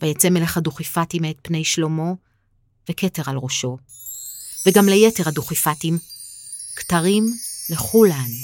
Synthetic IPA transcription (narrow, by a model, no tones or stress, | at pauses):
vajet͡semeleχaduχifatimet̪̚pne̞jʃlo̞mo̞ | vekete̞ʁalʁoʃo̞ | veɡamlejeteʁhaduχifatim | ktaʁimleχulan